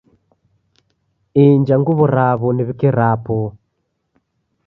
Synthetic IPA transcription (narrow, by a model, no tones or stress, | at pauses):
iɲd͡ʒaŋɡuβɔɾaβɔniβikiɾapɔ